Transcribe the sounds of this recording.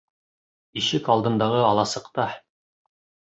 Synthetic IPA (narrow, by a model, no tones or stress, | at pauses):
iʃɘkɑlˠd̪ɤ̆nd̪ɑʁɤɑlˠɑsɤ̆qt̪ɑ